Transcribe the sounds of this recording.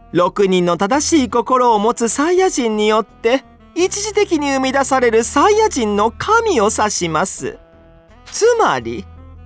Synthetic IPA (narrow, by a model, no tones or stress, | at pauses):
ɾo̞kɯ̟ɲ̟ĩnːo̞t̪ad̪aɕiːko̞ko̞ɾo̞ːmo̞t͡sɨsaijaʑĩɲ̟ːijo̞t̪ːe̞ | it͡ɕiʑit̪e̞kʲiɲ̟iɯ̟mʲid̪asaɾe̞ɾɯ̟saijaʑĩnːo̞kʰamʲio̞saɕimasɨ̰ | t͡sɨmaɾʲḭ